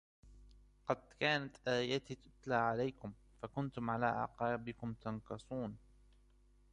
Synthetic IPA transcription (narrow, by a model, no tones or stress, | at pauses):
qɑd̪kaːnat̪ʔaːjat̪it̪ʊt̪laːʕalajkʊm | fakʊnt̪ʊmʕalaːʔa̰ʕqɑːbɪkʊmt̪ɑnqɨsˤuːn